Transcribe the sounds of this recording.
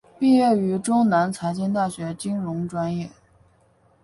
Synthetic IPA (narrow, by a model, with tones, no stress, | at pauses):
pi˥˧ɥɛ˥˩y˧˥ʈ͡ʂʊ˥ŋna˧˥nt͡sʰa˧˥ɪt͡ɕi˥nt̪̬a˥˩ɕɥɛ˧˥t͡ɕi˥ŋɻʊ˧˥ŋʈ͡ʂwa˥njɛ˥˩